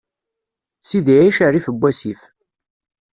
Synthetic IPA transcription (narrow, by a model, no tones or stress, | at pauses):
siðʕiʃarifəbʷːæsif